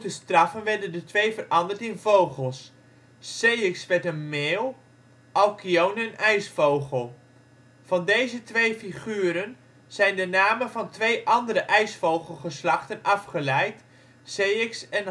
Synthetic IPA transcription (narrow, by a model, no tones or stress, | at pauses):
təstrɑfənʋɛɹdəndətʋejvərɑndəɹtɪnvowχəlˠsː | ejɪksʋɛtənmeːlˠ | ʔɑlkiownɛnɛjsfowχəlˠ | v̥ɑndejzətʋejfiχyːɾən | z̥ɛjndənaːmənvɑntʋejʔɑndəɾəʔɛjsfowχəlˠχəslɑχtənɑfχəlɛjt | sejɪksɛn